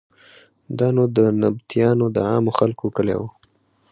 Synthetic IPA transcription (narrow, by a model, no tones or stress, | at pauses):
d̪ɑnod̪ənabt̪ijɑnod̪əɑmoxalkokəlḛwo